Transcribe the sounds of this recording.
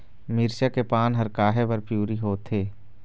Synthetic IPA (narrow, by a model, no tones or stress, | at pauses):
mɪɾʃakepaːnɦɐɾkaːɦebɐɾpjuːɾiɦoːt̪ʰeː